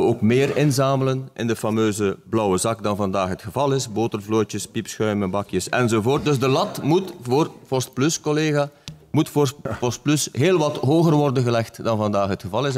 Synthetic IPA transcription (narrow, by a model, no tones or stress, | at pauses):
əoːkmɪːrɪnzaːmələnʔɪndəfɑmøːzəblɔwəzɑkdɑnvɑndaːxɦətxəvɑlˠɪsboːtərvloːjtjəspipsxœɥmənbɑkjəsɛnzovoːrt̚dɵzdəlɑtmutvoːrfɔst̚plʏskoleːɣamutfospɔst̚plysɦeːlˠʋɑtɦoːɣərʋɔrdənɣəlɛxtdɑnvɑndaːxɦətxəvɑlˠɪs